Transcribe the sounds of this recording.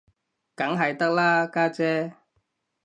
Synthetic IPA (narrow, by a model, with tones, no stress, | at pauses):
kɐ˨˥ŋɦɐ˨jt̪ɐ˥k̚laː˥kaː˥t͡sɛː˦˥